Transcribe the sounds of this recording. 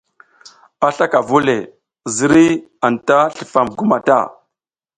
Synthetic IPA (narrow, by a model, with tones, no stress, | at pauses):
a˦ɬa˦ka˨vu˦le˨ | zi˦ɾi˦a˨nta˦ɬə̥˨fa˨mɡu˦ma˨ta̰˦˨